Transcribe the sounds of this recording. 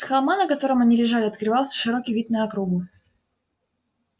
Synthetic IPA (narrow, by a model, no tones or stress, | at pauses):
xɐlˠmanəkɐt̪o̞ɾəmɐnʲilʲɪʐalʲɪɐt̪̚kɾɨvɑlˠsʲə̥ʂɨɾo̞kʲijvʲit̪̚nəɐkɾuɡʊ